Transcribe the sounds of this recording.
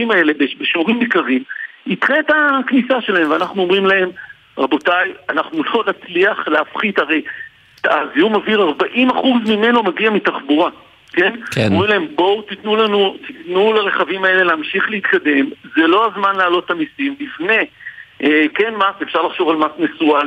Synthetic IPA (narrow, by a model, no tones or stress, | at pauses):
vimae̞lebeʃbeʃuʁimbikaʁimitχetaknisaʃe̞lahemveanaχnuo̞mʁimlae̞m | ʁabo̞tajanaχnulo̞nat͡sliaχleafχit̪aʁe̞j | taaziumaviʁaʁbaʔimaχuzmime̞nomaɡiamit̪aχbuʁa | ke̞nkmomʁimlahe̞mbo̞wt̪it̪nulanutitnulaʁe̞χavimae̞le̞leamʃiχlehit̪kad̪e̞mze̞lo̞azmanlaːlo̞t̪tamisimbifne̞ʔeke̞nmase̞fʃaʁlaχʃo̞valmasmesual